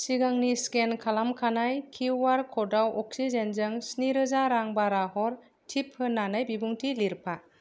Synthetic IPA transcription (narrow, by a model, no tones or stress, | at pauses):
siɡaŋniskenkʰalamkʰanajkʰiwaɾkʰɔdawɔksizenzɯŋsniɾɯzaɾaŋbaɾahɔɾ | tʰip̚hɯnːanɯjbibuŋtʰiliɾpʰa